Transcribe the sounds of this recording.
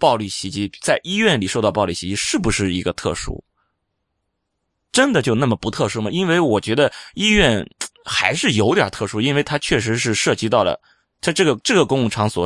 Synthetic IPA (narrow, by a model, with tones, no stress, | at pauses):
pɑ˥˧ʊli˥˩ɕi˧˥t͡ɕi˥t͡sa˥˩ɪʔi˥ɥɛ˥˩nli˨˩ʂo˥˧ʊt̪ɑ˥˧ʊpɑ˥˧ʊli˥˩ɕi˧˥t͡ɕi˥ʂɻ̩˥˩bu˨˩ʂɻ̩˥˩i˧˥ɡə˧t̪ʰɤ̰˥˩ʂṵ˥ | ʈ͡ʂə˥nd̪ə˨t͡ɕjo˥˧ʊna˥˩mə˩pu˧˥t̪ʰɤ˥˩ʂu˥mə˨˩i˥nwe˥˧˩ɪwɔ˨˩t͡ɕɥɛ˧˥d̪ə˧i˥ɥɛ˥˩nxa˧˥ɪʂɻ̩˥˩jo˧˥ʊt̪jɑ̰˨˩t̪ʰɤ˥˩ʂu˥i˥nwe˥˩ɪt̪ʰa˥t͡ɕʰɥɛ˥˩ʂ̬ɻ̩˧˥ʂɻ̩˥˧ʂɤ˥˩t͡ɕi˧˥t̪ɑ˥˩ʊlə̰˩ | t̪ʰa˥ʈ͡ʂɤ˥˩ɡə˩ʈ͡ʂɤ˥˩ɡə˩kʊ˥ŋ˥˩ʈ͡ʂʰɑ˧˥ŋswɔ̰˨˩